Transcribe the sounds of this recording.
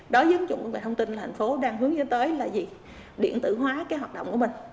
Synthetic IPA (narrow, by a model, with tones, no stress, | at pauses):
ɗɔ˨˦zə˨˦ŋzʊ̰˧˨ŋ͡mkːɓaː˧˩t̪ʰə˧wŋ͡mt̪i˧nla˨˩a˨˩ŋ̟fo˨˦ɗaː˧ŋɦɨ˨˦əŋzə˨˦t̪əː˨˦jlaː˨˩zi˨˩ | ɗḭ˧˨ənt̪ɨ̰˧˨ɦwaː˨˦kaː˨˦jɦwaː˨˩t̚ɗə̰˧˨ŋ͡mku˧˩əmï˨˩ŋ̟